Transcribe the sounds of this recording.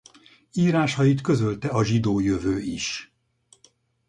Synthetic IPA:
iːɾaːʃɒjit̪kø̞zølt̪ɛɒʒid̪oːjøvøːiʃ

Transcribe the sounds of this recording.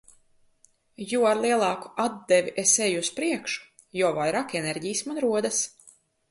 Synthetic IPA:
juaɾlˠiɛlˠɑːku̥ad̪ːɛvʲiʔesɛjuuspɾiɛkʃu̥ | juɔvajɾaːkɛnɛɾɟijsmanɾuɔd̪as

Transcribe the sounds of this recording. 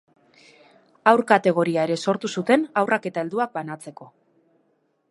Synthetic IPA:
awrkat̪e̞ɣ̞o̞ɾiae̞ɾe̞so̞ɾt̪usut̪e̞nawrʔake̞t̪ae̞ld̪uak̚banat͡se̞ko̞

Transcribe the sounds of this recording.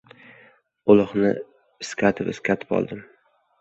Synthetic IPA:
ʊlˠɨχnɪ̰ | ɪskʲʰat̪ʰɪpɪskʲʰat̪ʰɪ̥pɒ̰lˠd̪ɪm

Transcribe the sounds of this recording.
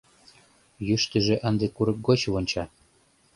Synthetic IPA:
jyʃt̪ə̆ʒĕʔə̆nd̪ĕkuɾɤ̆k̚ɡot͡ɕβonʲt͡ɕɑ

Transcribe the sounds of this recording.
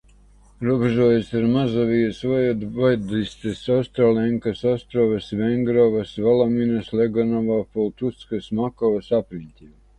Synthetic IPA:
ɾuɔbeʒuɔjesaɾmazavijasvɔjɛd̪bɔjd̪ist̪esast̪ɾalɛŋkasast̪ɾɔvɐsvɛŋɡɾɔvasvalˠaminaslʲeɡɔnɔvapɔlˠt̪ut̪skasmakɔvasapɾinʲt̪ʲim

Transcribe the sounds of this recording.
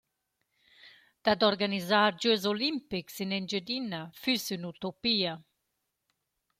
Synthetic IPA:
d̪̥ad̪ɔɾɡanizaːɾd͡ʒuɛzolimpiksinɛnd͡ʒəd̪inːafysynut̪opiːa

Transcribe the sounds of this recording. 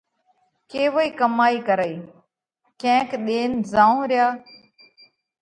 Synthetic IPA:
keːʋoːiːkəmaːiːkəɾəiː | kẽːkɗeːnzãːõːɾɪjaː

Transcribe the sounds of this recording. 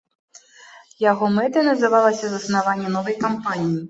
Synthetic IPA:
jaɣɔmɛt̪ɐnɐzɨvalˠɐsʲɐzɐsnavanʲːɛnɔvɐjkampanʲiji

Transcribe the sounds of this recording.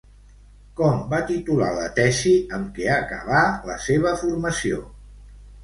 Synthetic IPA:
kɔmbat̪it̪ula̰lə̰t̪ɛsiəmkɛakə̰β̞aləseβ̞əfuɾməsio̰

